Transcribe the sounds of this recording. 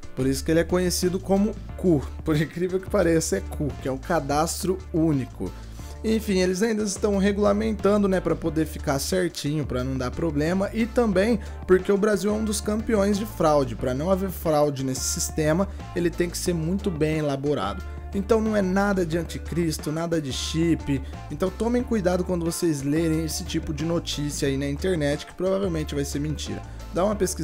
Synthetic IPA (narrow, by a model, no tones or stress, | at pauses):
poɾisʊ̥kɪelɪɛkõɲesid̪ʊkõmʊkupoɾĩkɾivewkɪ̥paɾɛsɪɛkʰukɪɛũkad̪ast̪ɾʊunikʊ̰ | ẽj̃fĩelɪzaĩnd̪ɐɪst̪ɐ̃w̃ɦeɡulamẽnt̪ɐ̃nd̪ʊnɛpɾɐpod̪eɾfi̥kaɾsɛɾt͡ʃĩɲʊpɾɐnɐ̃w̃d̪aɾpɾoblẽmɐʔɪt̪ɐ̃mbẽj̃ | poɾkeʊbɾaziwɛũd̪ʊskɐ̃mpiõj̃zd͡ʒɪfɾawd͡ʒɪpɾɐnɐ̃w̃aveɾfɾawd͡ʒɪnesɪ̥sist̪ẽmɐ | elɪt̪ẽj̃kɪ̥seɾmũj̃t̪ʊbẽj̃elaboɾa̰d̪ʊ | ẽnt̪ɐ̃w̃nɐ̃w̃ɛnad̪ɐd͡ʒɪɐ̃nt͡ʃɪkɾist̪ʊnad̪ɐd͡ʒɪʃipɪ | ẽnt̪ɐ̃w̃t̪õmẽj̃kujd̪ad̪ʊkwɐ̃nd̪ʊvosezleɾẽj̃esɪ̥t͡ʃipʊd͡ʒɪnot͡ʃisiɐainɐĩnt̪eɾnɛt͡ʃɪ̥kɪ̥pɾovavewmẽnt͡ʃɪvajseɾmẽt͡ʃḭɾɐ̰ | d̪aũmɐpeskiz